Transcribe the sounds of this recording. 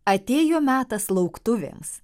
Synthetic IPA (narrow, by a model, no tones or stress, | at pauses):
ɐt̪ʲeːjoːmʲæːt̪ɐslˠɐʊkt̪ʊʋʲḛms